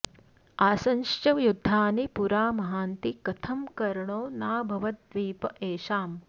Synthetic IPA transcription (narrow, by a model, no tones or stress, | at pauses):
aːsɐnʃt͡ʃɐʋjud̪ʱːaːnipuɾaːmɐɦaːnt̪ikɐt̪ʰɐmkɐɾɐɳoːnaːbʱɐʋɐt̪ʋiːpɐʔeːʃaːm